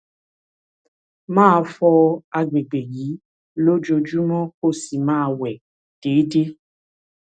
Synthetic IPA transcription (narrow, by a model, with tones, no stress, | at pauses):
mãː˦˧fɔ˧a˧ɡ͡be˨ɡ͡be˨ji˨˦ | lo˦d͡ʒo˧d͡ʒu˦mɔ̃˦ko˦si˨mãː˦˧wɛ˨ | d̥eː˨˦de˦